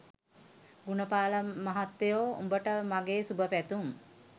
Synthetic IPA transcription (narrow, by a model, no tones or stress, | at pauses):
ɡunəpaːləmaɦat̪ːejoːṵmbəʈəmaɡeːsubəpæt̪um